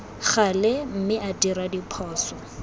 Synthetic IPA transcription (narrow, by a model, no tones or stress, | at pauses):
χalɪm̩mɪʔadiɾadipʰɔːsɔ